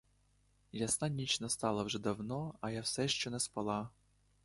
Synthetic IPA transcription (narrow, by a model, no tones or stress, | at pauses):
jasnanʲit͡ʃnɐst̪ɑlˠɐwʒɛd̪ɐwnɔɐjawsɛʃt͡ʃɔnɛspɐlˠɑ